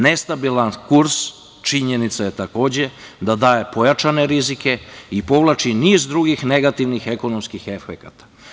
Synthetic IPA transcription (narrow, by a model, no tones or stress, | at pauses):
ne̞st̪abilˠankuɾs | t͡ʃiɲenit̪saje̞t̪ako̞ːd͡ʑe̞d̪ad̪aːjepo̞jat͡ʃane̞ɾizike̞ipo̞ʋlˠat͡ʃiniːzd̪ɾuɡixne̞ɡat̪iʋnixeko̞nomskixe̞fekat̪ḁ